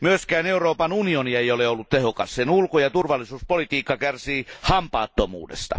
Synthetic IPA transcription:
myøskæːneuroːpɑnunioniejoleolːut̪t̪ehokɑssenulkojɑt̪urʋɑlːˑisuːspolit̪iːkːɑkærsiːhɑmpɑːt̪ːomṵːdḛst̪ɑ̰

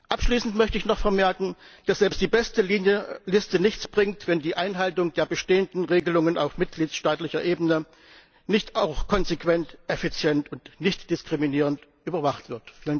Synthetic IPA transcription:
ʔapʃliːsn̩tmœçtəɪçnɔχfɛɐmɛɐkŋ̩d̥asz̥ɛlpstd̥iːbɛstəəlɪstənɪçt͡sb̥ʁɪŋtv̥ɛndiːʔaɪnɦaltʊŋd̥eːɐbəʃteːəndn̩ʁeːɡəlʊŋəna̰ʊfmɪt̚ɡ̥liːtsʃtaːtlɪçɐʔeːbənə | nɪçtaʊxkʰɔnzekv̥ɛntʔɛfit͡sjɛntʊntnɪçtd̥ɪskʁ̥iminiːʁ̞əntʔyːbɐvaχtv̥ɪɐtfiːlən

